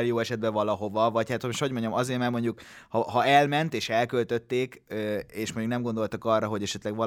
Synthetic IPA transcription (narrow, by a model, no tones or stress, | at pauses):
ljoːɛʃɛd̪̚bɛvɒlɒɦo̞vɒvɒchaːt̪miʃto̞ɟmo̞ɲɟɒmɒzeːrmaːrmo̞ɲɟukhɒɦɒɛlmɛnt̪eːʃɛlkølt̪ø̞t̪ːeːkøeːʃmoɲɟuknɛmɡo̞nd̪o̞lt̪okɒrːɒɦo̞ɟɛʃɛt̪lɛɡʋɒ